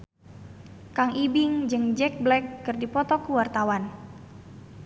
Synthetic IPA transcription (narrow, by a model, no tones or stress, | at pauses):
kaŋibiŋd͡ʒɨŋd͡ʒɛk̚blɛkːɨrdipɔt̪ɔkuwart̪awan